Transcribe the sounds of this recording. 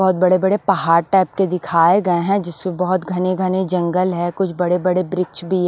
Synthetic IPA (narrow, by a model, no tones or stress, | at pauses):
ɔɦʊt̪̚bɐɽebɐɽepɐɦaːɾʈɛːp̚ked̪ɪkʰaːeɡɐeɦɛ̃d͡ʒɪsmebɔɦʊt̪ɡʱɐneɡʱɐned͡ʒɐ̃ŋɡəlɦɛkʊt͡ʃʰbɐɽebɐɽebɾɪkt͡ʃbʱi